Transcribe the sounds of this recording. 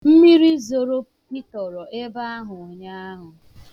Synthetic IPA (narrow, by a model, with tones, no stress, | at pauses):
m̩˦mi˦ɾi˦zo˨ɾo˦ | pi˦tɔ˨ɾɔ˨ʔe˦ba˦a˦ɦʊ˨ɲa˦a˦ɦʊ˨